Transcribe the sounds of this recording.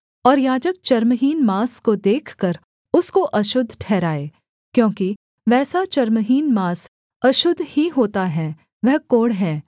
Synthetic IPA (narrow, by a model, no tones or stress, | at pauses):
ɔːɾjaːd͡ʒək̚t͡ʃɐɾmɦiːnmaːskod̪eːkʰkɐɾ | ʊskoʔɐʃʊd̪ʱːʈʰɛːɾaːeː | kjõːki | ʋɛːsat͡ʃɐɾmɦiːnmaːs | ɐʃʊd̪ʱːhiɦoːt̪aɦɛː | ʋɛɦkoːɽɦɛː